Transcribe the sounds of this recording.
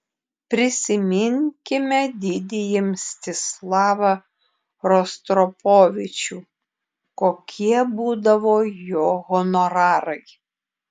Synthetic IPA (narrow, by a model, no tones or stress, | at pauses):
pʲɾʲɪsʲɪmʲɪŋʲkʲɪmʲɛd̪ʲɪd̪ʲɪjɪmsʲt̪ʲɪslˠɑːʋɐ | ɾɔst̪ɾɔpoːʋʲɪt͡ʃʲuː | koːkʲʰiɛbuːd̪ɐʋoːjoːɣɔnɔɾɑːɾɐɪ